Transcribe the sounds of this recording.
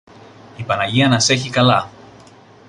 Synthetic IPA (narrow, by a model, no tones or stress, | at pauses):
ipɐnɐʝiɐnɐse̞çikɐlɐ